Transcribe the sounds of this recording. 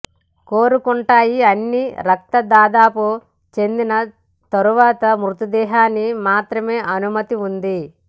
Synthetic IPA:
ko̞ːɾukuɳʈaːjiɐnːiɾɐk̚t̪ɐd̪aːd̪aːpu | t͡ʃe̞nd̪inɐ | t̪ɐɾuʋaːt̪ɐmɾut̪ud̪ɛːɦaːnimaːt̪ɾɐme̞ːʔɐnumɐt̪iund̪i

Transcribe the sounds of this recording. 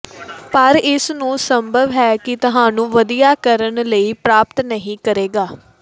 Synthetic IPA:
pəɾɪsnũːsəmbʱəʋɦɛːkɪt̪ʊɦãːnũːʋəd̪ijaːkəɾəɳləiːpɾaːpt̪nəɦĩːkəɾeːɡaː

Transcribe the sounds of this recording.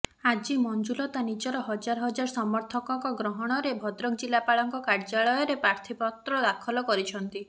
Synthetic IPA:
ad͡ʒimɔnd͡ʒulɔt̪anid͡ʒɔɾɔɦɔd͡ʒaɾɔɦɔd͡ʒaɾsɔmɔɾt̪ʰɔkɔŋkɔɡɾɔɦɔɽ̃ɔɾebʱɔd̪ɾɔkd͡ʒilapaɭɔŋkɔkaɾd͡ʒaɭɔjɔɾepɾaɾt̪ʰipɔt̪ɾɔd̪akʰɔlɔkɔɾit͡ʃʰɔnt̪i

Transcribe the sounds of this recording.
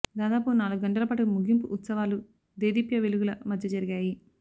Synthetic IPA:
d̪aːd̪aːpunaːluɡuɡɐɳʈɐlɐpaːʈuumuɡimpuʔːt̪sɐʋaːlu | d̪eːd̪ipjɐʋeluɡulɐmɐd̪ʱjɐd͡ʒɐɾiɡaːji

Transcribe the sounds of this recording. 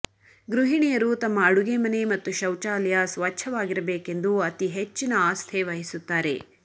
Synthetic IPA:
ɡɾuɦiɳijɐɾut̪ɐmːɐːɽuɡemɐne̞mɐt̪ːuʃɐwt͡ʃaːlɐjɐsʋɐt͡ʃʰːɐʋaːɡiɾɐbeːkend̪uɐt̪iɦet͡ʃːinɐaːst̪ʰe̞ʋɐɦisut̪ːaːɾe̞̰

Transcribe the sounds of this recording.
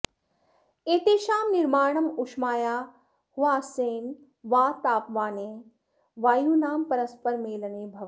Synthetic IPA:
eːt̪eːʃaːmnɪɾmaːɳɐmʊʃmaːjaː | hʊʋaːseːn | ʋaːt̪aːpʋaːneː | ʋaːjuːnaːmpɐɾəspɐɾmeːləneːbʱɐʋ

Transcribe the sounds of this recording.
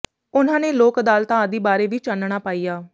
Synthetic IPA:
ʊnãːneːloːkd̪aːlt̪ãːəd̪iːbaːɾeːʋiːt͡ʃanːɳaːpaːijaː

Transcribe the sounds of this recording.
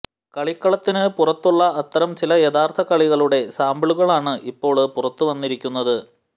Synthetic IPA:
kɐɭikːɐɭɐt̪ːinɨpurɐt̪ːuɭːɐːt̪ːɐɾɐmt͡ɕilɐjɐðaːrt̪ʰɐkɐɭiɣɐɭuɽe̞saːmbɐɭuɣɐɭaːɳɨʔipːo̞ːɭpurɐt̪ːuʋɐnːiɾikʲːunːɐðɨ

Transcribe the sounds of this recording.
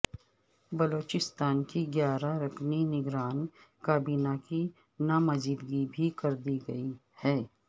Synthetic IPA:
bɐloːt͡ʃɪst̪aːnkiɡjaːɾaɾɐkʰninɪɡɾaːnkaːbiːnaki | namɐziːd̪ɡibʱikɐɾd̪iɡɐi | hɛː

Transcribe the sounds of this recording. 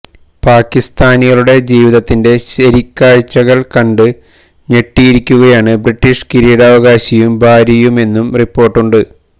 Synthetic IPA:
paːkːist̪aːniɣɐɭuɽe̞d͡ʑiːʋiðɐt̪ːinde̞ɕɐɾikʲːaːɻt͡ɕːɐɣɐɭkɐɳɖɨ | ne̞ʈːijiɾikʲːuɣɐjaːɳɨbriʈːiʂkiɾijɽaːʋɐɣaːɕɐjumbʱaːɾjɐjume̞nːumripːo̞ːrʈːuɳɖɨ

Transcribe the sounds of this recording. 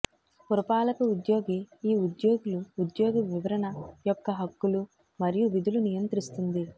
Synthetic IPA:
puɾɐpaːlɐkɐud̪joːɡeiːud̪joːɡuluːd̪joːɡɐʋiʋɐɾɐnɐjɔkːɐɦɐkːulu | mɐɾijuʋid̪ʱulunijɐnt̪ɾist̪und̪i

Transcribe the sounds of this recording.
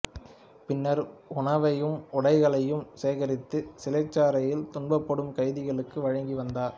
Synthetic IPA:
pɪnːɐɾʊɳɐʋɐjɯmʊɽɐɪɣɐɭɐjɯmseːɣɐɾɪt̪ːɯsɪlɐt͡ʃːaːɾɐjɪlt̪ʊɳbɐpːɔɽɯmkɐɪðɪɣɐɭɯkːɯʋɐɻɐŋɡiʋɐnd̪aːɾ

